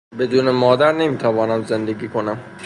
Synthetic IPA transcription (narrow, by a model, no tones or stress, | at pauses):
be̞d̪uːnemɒːd̪æɾne̞miːt̪ʰævɒːnæmze̞nd̪e̞ɡiːkʰo̞næm